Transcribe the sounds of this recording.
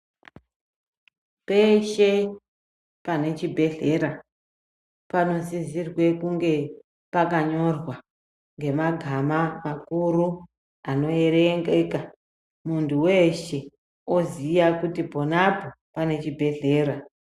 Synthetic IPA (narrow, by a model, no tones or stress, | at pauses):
pe̞ʃe̞ | pane̞t͡ʃibʱe̞ɮe̞ɾa | pano̞zizirwe̞kuŋɡe̞ | pakaɲo̞rwa | ŋɡe̞maɡʱamamakuɾu | ano̞e̞ɾeŋɡeka | muntʰuweʃe̞ | ozijakutibʱo̞napo | pane̞t͡ʃibʱe̞ɮe̞ːɾa